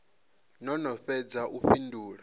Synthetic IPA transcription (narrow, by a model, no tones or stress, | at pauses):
nɔnɔfɛd͡zaʔuɸindʱuːɺa